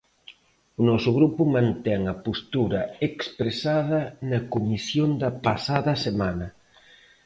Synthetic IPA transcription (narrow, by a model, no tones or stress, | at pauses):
ʊnɔsʊɣɾupʊmãnt̪ɛŋɐpost̪uɾɐekspɾesaðɐnɐkomisjond̪ɐpasaðɐsemanɐ